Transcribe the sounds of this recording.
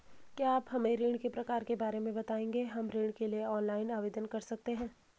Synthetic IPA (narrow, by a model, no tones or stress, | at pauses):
kjaːpɦɐmẽɾiːɽ̃kepɾɐkaːɾkebaːɾemẽbɐt̪aːẽːŋɡeɦɐmɾiːɳkelieɔːnlaːɪnaːʋeːd̪ənkɐɾsɐk̚t̪eɦɛ̃ː